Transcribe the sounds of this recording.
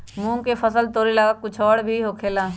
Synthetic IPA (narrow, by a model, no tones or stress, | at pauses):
mũːŋkefʰəsəlt̪oːɾiləɡakʊt͡ʃʰɔːɽbʱiɦoːkʰeːlaː